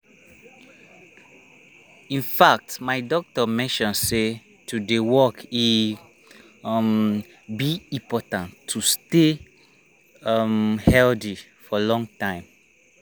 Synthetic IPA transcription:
ĩnfak̚tmaɪdɔk̚tɔmɛ̃nʃɔ̃nse | tudewɔki | m | biĩpɔtãntʰːuste | mhɛldi | fɔlɔ̃ŋtãɪ̃m

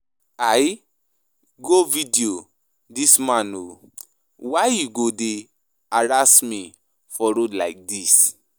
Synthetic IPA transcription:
aj | ɡovidio | dismãno | wajjuɡode | aɹasmĩ | fɔɾodlaɪk̚dis

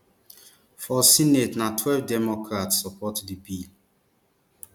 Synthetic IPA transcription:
fɔsinetnatʰwɛlvdɛmɔkʰɹatsːɔpɔtdibil

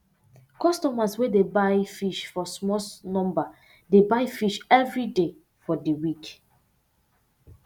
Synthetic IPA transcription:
kɔstɔmaswedebaɪfiʃfɔsmɔsnɔ̃mba | debaɪfiʃɛvɹide | fɔdəwik

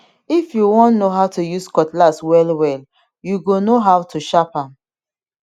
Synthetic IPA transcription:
ifjuwɔ̃nnoɦaʊtʰujuskɔtlaswɛlwɛl | juɡonoɦaʊtʰuʃapãm

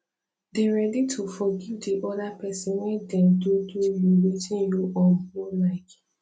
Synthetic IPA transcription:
deɹɛditʰufɔɡivdiʔɔdapɛsɛ̃nwɛ̃dɛ̃mdudujuwetĩnjuʔɔhɔlaɪk

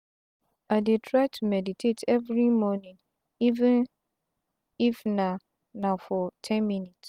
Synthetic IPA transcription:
adetʰɹaɪtʰumɛditʰetʰɛvɹimɔnĩn | ivɛ̃n | ifnã | nãfɔtʰɛ̃nmĩnits

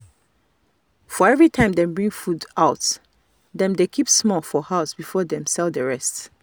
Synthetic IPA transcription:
fɔɛvɹitʰãɪ̃mdɛ̃mbɹĩŋɡfudaʊt | dɛ̃mdekʰipsmɔlˠfɔhaʊsbifɔdɛ̃msɛlˠdəɹɛst

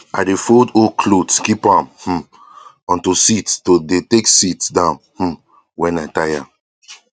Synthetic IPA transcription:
adefodokʰlotkipãmh̩ | ɔ̃ntusittodeteksitsdãʊ̃nhm̩ | wɛ̃naɪtaja

